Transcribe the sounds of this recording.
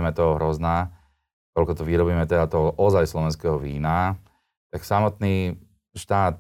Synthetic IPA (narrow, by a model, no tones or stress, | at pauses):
ɛmɛt̪ɔɦɔɦɾɔznaː | t̪ɔlkɔt̪ɔʋiɾɔbiːmɛt̪ɛd̪at̪ɔʔɔzajslɔʋɛnskɛɦɔʋiːna | t̪aksamɔt̪niː | ʃt̪aːt̪